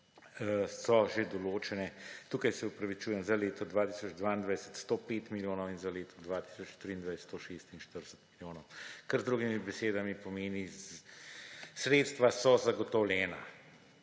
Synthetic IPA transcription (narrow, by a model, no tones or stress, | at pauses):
sɔʒed̪ɔloːt͡ʃɛnɛt̪uːkajsɛupɾɐʋit͡ʃuːjɛmzaleːt̪ɔd̪ʋaːt̪i̥sɔd͡ʒd̪ʋaːind̪ʋajsə̥t̪st̪oːpeːt̪miljoːnɔwinzaleːt̪ɔ̥d̪ʋaːt̪i̥ːsɔt͡ʃt̪ɾiːnd̪ʋajst̪t̪oʃest̪inʃt̪əɾd̪əsə̥t̪miljoːnɔwkɐɾzd̪ɾuːɡimibɛseːd̪amipɔmeːni | sɾeːt̪st̪ʋasɔzaɡɔt̪ɔwlʲɛːna̰